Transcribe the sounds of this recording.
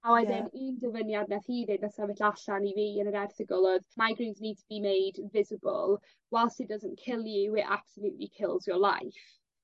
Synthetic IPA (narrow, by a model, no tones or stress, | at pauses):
awɛdɪnindəvənjad̚naθhiːðɪdnəsavɛɬaɬaniviːənəɾɛrθɪɡɔlˠɔðmaɡrinzniːd̚tʰəbimejdvɪzɪbɔ̰lˠ | wɛlˠsidəzənkʰɪlˠjɪwʔa̰psənɪdḭkʰɪlˠzjɔlˠa̰jf